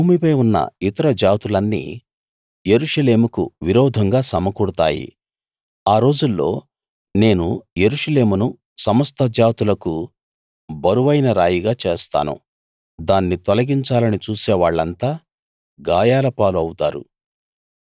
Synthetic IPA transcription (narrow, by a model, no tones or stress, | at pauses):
buːmipɐjunːɐ̰it̪ɐɾɐd͡ʒaːt̪ulɐnːḭː | je̞ɾuʂɐle̞ːmukṵʋiɾɔːd̪ʱɐŋɡaːsɐmɐkuɽut̪aːjḭ | aːɾo̞ːd͡ʒulːo̞̰ː | ne̞ːnuje̞ɾuʂɐle̞ːmunu | sɐmɐst̪ɐd͡ʒaːt̪ulɐku | bɐɾuʋɐjnɐɾaːjiɡaːt͡ʃe̞ːst̪a̰ːnṵ | d̪aːnːit̪ɔlɐɡiɲt͡ʃaːlɐnit͡ʃuːsɛːʋaːɭːɐnt̪aː | ɡaːjaːlɐpaːluɐwut̪a̰ːɾṵ